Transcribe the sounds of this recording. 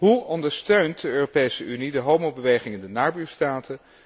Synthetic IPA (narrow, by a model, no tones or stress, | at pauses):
ɦuɔndəɹstøɥntdəøːropejsəʔynidəɦowmowbəʋejχɪŋɪndənaːbyːɹstaːtʰə